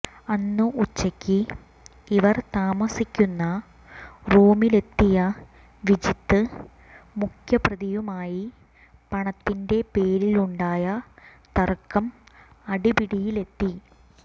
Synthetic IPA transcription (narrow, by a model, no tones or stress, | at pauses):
ɐnːɨʔut͡ɕːɐkʲːi | iʋɐrt̪aːmɐsikʲːunːɐ | ruːmile̞t̪ːijɐ | ʋid͡ʑit̪ːɨ | mukʰjɐprɐðijumaːji | pɐɳɐt̪ːinde̞pe̞ːɾiluɳɖaːjɐt̪ɐrkːɐmɐɽibiɽijile̞t̪ːi